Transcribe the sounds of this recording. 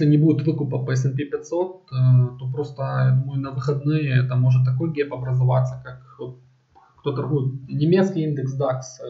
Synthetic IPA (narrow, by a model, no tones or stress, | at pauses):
sʲlʲɪnʲɪbudʲɪt̪vɨkʊpɐpəɛs̬ɛnpʲipʲɪt̪so̞t̪t̪o̞pɾo̞st̪əjad̪uməjʊʊnɐvɨxɐd̪nɨjəɛt̪əmo̞ʐɨt̪̬ːɐko̞jɡʲepɐbɾəzɐva̰t̪sːəkak | kt̪o̞t̪ɐrɣujɪt̪nʲɪmʲet̪skʲɪjind̪ɨksd̪aks